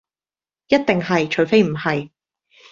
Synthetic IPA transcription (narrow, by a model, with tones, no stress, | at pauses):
jɐ˥t̚t̪ɪ˨ŋɦɐ˨jt͡ʃʰɵ˨˥ɥfe˥jm̩˨˩hɐ˨j